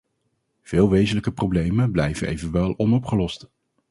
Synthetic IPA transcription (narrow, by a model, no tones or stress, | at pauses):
v̥ɪːlˠʋejzənləkəprowblejmənblɛjvənḛjvənʋɛlˠɔnɔpχəlɔst